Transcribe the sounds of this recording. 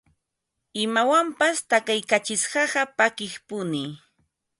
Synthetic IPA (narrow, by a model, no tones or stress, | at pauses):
ɪmawampast̪akajkat͡ʃɪsɢɑɢɑpakɪχpʊnɪ